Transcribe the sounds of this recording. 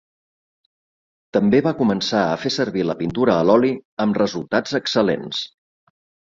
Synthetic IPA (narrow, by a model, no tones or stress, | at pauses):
t̪əmbeβakumənsaəfesəɾβiləpint̪uɾəːlɔliəmrəzulˠt̪ad͡zəksəlḛns